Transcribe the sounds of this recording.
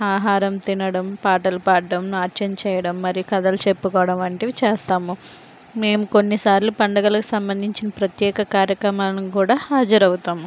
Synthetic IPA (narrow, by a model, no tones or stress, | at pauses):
aːɦaːɾɐmt̪inɐɽɐmpaːʈɐlupaːʈːɐmnaːɾt͡ʃɐnt͡ʃɛːjɐɽɐmːɐɾijukɐd̪ɐlut͡ʃe̞pːukɔːɐɽɐmɐɳʈeːʋit͡ʃɛːst̪aːmu | me̞ːmuko̞nːisaːɾlupɐɳɖɐɡɐlɐku̥sɐmbɐnd̪ʱiɲt͡ʃinɐpɾɐt̪jɛːkɐkaːɾjɐkɾɐmaːlɐnikuːɽaːhaːd͡ʒɐɾɐwut̪aːmu